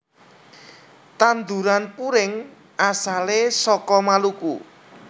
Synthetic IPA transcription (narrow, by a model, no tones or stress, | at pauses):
t̪and̪uɾanpuɾɪŋ | asalesɔkɔmaluku